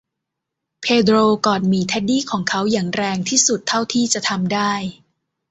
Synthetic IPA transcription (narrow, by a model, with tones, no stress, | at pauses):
pʰeː˧dɾoː˧kɔː˨˩n̚miː˧t̪ʰɛ˦˥t̪̚diː˥˩kʰɔː˩˦ŋkʰa˦˥wjaː˨˩ŋɾɛː˧ŋt̪ʰiː˥˩su˨˩t̪ʰːa˥˩wt̪ʰiː˥˩t͡ɕa˨˩t̪ʰa˧mdaː˥˩j